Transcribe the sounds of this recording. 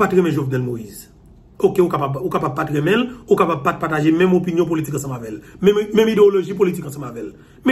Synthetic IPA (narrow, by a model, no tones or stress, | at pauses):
patɣɛmɛ̃ʒovnɛlmoiz | okeukapabukapab̚patʁɛmɛ̃lukapab̚pat̚pataʒemɛ̃mop̬injɔ̃p̬olitikɐ̃s̬ɐ̃mavɛlmɛ̃mmɛ̃mideoloʒip̬olitikɐ̃sɐ̃mavɛl | mɛ